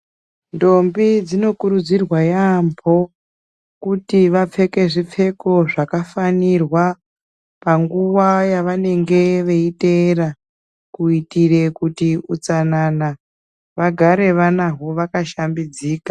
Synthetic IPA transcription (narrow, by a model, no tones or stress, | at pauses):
ndo̞mbid͡zino̞kuɾud͡zirwajambʰʱo̞ | kutiʋap͡fe̞ke̞ʐip͡fe̞ko̞ʐakafanirwa | paŋɡuʋajaʋane̞ŋɡe̞ʋe̞itera | kuitire̞kutiut͡sanana | ʋaɡʱaɾe̞ʋanaɦoʋakaʃambid͡ziːkḁ